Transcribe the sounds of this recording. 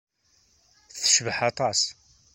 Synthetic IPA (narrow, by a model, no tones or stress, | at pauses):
θθəʃvəħɑt̪ˤɑs